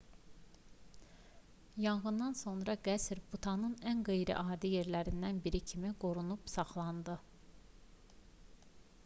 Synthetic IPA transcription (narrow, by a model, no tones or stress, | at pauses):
jɑɴɣɯnd̪ɑnso̞nɾɑɡæsɾbut̪ʰɑnɯnænɡejɾḭʔɑːd̪ije̞ɾlæɾind̪ænbiɾicʰimiɡo̞ɾunupsɑχlˠɑnd̪ɯ